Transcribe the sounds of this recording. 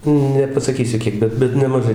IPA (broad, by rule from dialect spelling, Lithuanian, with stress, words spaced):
nʲɛpɐsɐˈkʲiːsʲʊ ˈkʲiɛk ˈbʲɛt ˈbʲɛt nʲɛmɐˈʒɐɪ